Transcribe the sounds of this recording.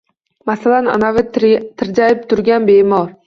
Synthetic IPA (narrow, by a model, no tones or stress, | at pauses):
masalana̰navɪt̪ʰɪɾd͡ʒaɪp̚t̪ʰʊɾɡʲanbeːmɒɾ